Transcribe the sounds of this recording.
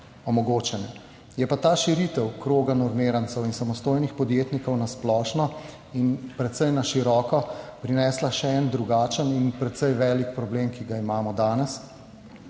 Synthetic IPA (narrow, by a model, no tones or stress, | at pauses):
ɔmɔɡoːt͡ʃɛnjɛ | jɛpat̪aːʃiɾit̪ɛwkɾoːɡanɔɾmeːɾant̪sɛwinsamɔst̪oːjnixpɔd̪jeːt̪nikɔwnasplɔːʃnɔ | inpɾɛt̪sɛjnaʃiɾɔːkɔpɾinɛːslaʃɛɛnd̪ɾuɡaːt͡ʃəninpɾɛt̪sɛjʋɛːlikpɾɔbleːmkiɡaimaːmɔd̪aːnɛs